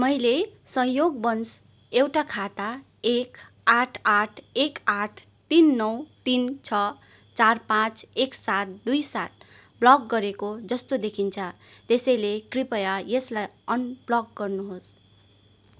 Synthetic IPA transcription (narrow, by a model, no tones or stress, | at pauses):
mʌjlesʌɦjoɡbʌns | ewʈakʰat̪a | ek | aʈʰaʈʰekaʈʰt̪inːʌwt̪int͡sʰʌ | t͡sarpãt͡seksat̪̚d̪ujsat̪̚ | blʌk̚ɡʌɾekod͡zʌst̪od̪ekʰint͡sʰʌt̪esʌjlekripʌjajeslajʌnblʌkɡʌrnuɦos